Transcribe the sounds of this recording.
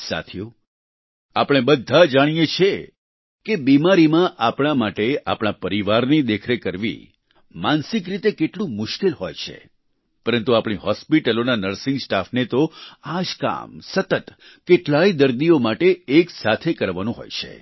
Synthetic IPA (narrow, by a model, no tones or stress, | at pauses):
sa̰t̪ʰijo | apɽ̃ebəd̪ʱːad͡ʒaɽ̃ijet͡ʃʰe | kebimaɾimãʔapɽ̃amaʈea̰pɳ̃apəɾiʋaɾnid̪ekʰɾekəɾʋḭ | mansɪk̬ɾit̪ekeʈlũmʊʃkelɦojt͡ʃʰḛ | pəɾənt̪uapɽ̃iɦɔspiʈəlonanəɾsɪ̃ŋɡsʈafnet̪oad͡ʒka̰msət̪ət̪ | keʈlaid̪əɾd̪iomaʈeːksat̪ʰekəɾʋanũɦo̰jt͡ʃʰḛ